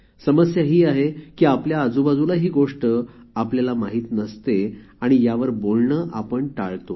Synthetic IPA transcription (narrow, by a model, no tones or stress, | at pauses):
səməsjaɦiːaɦekiːapljaːd͡zubad͡zulaɦiːɡoʂʈəapljalamaɦiːt̪nəst̪e | aɽ̃ijaʋəɾbolɳəʔapəɳʈaɭt̪o